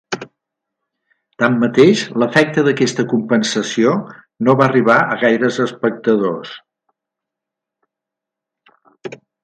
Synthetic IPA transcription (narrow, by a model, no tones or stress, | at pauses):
t̪amːət̪eʃləfɛk̚t̪əðəkɛst̪əkumpənsəsio | noβaəriβ̞aəɣajɾəzəspək̚t̪əðos